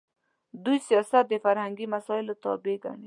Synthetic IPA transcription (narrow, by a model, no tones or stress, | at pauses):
d̪ujsijɑsat̪̚d̪efaɾhaŋɡimasɔɪlot̪ɔ̰beɡa̰ɳi